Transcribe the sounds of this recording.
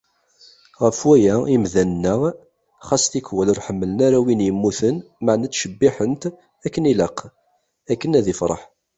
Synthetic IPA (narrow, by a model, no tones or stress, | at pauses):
ʁəfwæjæimðænənːə | χɑsθikwæləɾħəmːələnaɾæwinjəmːuθən | maʕnæt͡sːʃəbːiħənt̪ | ækːəniləq | ækːənæðifɾˤɑ̰ħ